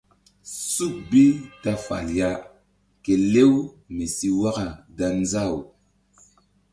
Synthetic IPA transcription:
su˦˨k̚bi˦ta˦fa̰˨lja˦ | ke˨le˦w | me˨si˦wa˦ka˨da˨nza˦˨w

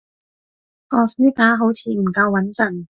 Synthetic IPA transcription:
ʔɔː˨˩iː˥kaː˨˥ɦo˨˥wt͡sʰiː˧m̩˨˩kɐ˧wːɐ˨˥nt͡sɐ˨˩n

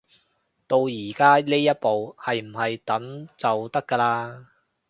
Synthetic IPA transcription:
t̪o˧wjiː˨˩kaː˥ne˥jɐ˥t̚po˨whɐ˨jm̩˨˩hɐ˨jt̪ɐ˨˥ŋt͡sɐ˨wt̪ɐ˥kːəː˧laː˧

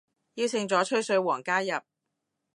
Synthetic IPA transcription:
jiː˧wt͡sʰɪ˧ŋt͡sɔː˨˥t͡ʃʰɵ˥ɥsɵ˧ɥwɔː˨˩ŋkaː˥jɐ˨p̚

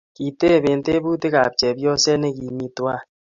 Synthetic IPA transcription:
ki˨te˦˨be˨nte˦bu˦te˦ka̰˨p̚t͡ʃɛ˨bjɔ˦sɛ˦ne˦ki˨mi˨twa˦˨

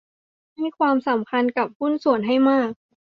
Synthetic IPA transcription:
ha˥˩jkʰwaː˧msa˩˦mkʰa˧nka˨˩p̚hu˥˩nsu˨˩ənɦa˥˩jmaː˥˩k̚

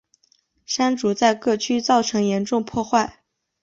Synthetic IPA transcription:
ʂa˥nʈ͡ʂu˨˥t͡sa˥˧ɪkɤ˥˩t͡ɕʰy˥t͡sɑ˥˩ʊʈ͡ʂʰɤ˧˥ŋjɛ˧˥nʈ͡ʂʊ˥˧ŋpʰwɔ˥˧xwa˥˩ɪ

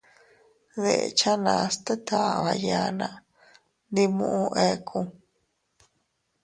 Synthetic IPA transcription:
ðe˨ʔḛ˨t͡ʃa˦nã˨a˧st̪e˦t̪ʰa˨ʔβa˧ja˧nã˧ | nd̪i˧mṵ̃˧ʔũ˧ʔe˧kʰũ˧

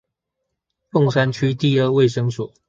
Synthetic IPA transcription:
lʊ˥˨ŋsa˥nt͡ɕʰy˥t̪i˥˧ə˞˥˧we˥˨ɪʂɤ˥ŋswɔ˨˩˦

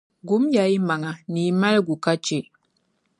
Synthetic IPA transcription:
ɡu˨˦mja˨i˦ma˨ŋa˨ni˨˦ma˦lɡu˨ka˦t͡ʃe˦˨

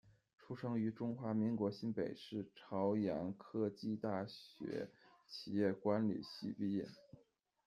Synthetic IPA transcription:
ʈ͡ʂʰu˥ʂɤ˥ŋy˧˥ʈ͡ʂʊ˥ŋxwa˧˥mi˧˥ŋkwɔ˧˥ɕi˥npe˨˩ɪʂɻ̩˥˩ʈ͡ʂʰɑ˧˥ʊjɑ˧˥nkʰɤ˥t͡ɕi˥˧t̪a˥˩ɕɥɛ̰˧˥ | t͡ɕʰi˨˩jɛ˥˩kwa˧˥nlḭ˨˩ɕi˥˧pi˥˧ɛ̰˥˩n

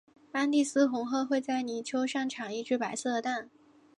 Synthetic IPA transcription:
pa˥nt̪i˥˩sɹ̩˥xʊ˧˥ŋxɤ˥˧xwe˥˧ɪt͡sa˥˩ɪni˧˥t͡ɕʰjo˥ʊʂɑ˥˩ŋʈ͡ʂʰɑ˨˩ŋi˥˩˧ʈ͡ʂɻ̩˥pa˧˥ɪsɤ˥˩d̪ə˩t̪a˥˩n

